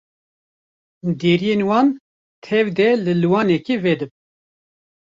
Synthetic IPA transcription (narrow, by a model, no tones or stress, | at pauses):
d̪eːɾijenwɑːn | t̪ʰɛvd̪ɛlɨlɨwɑːnɛkivɛd̪ɨb̚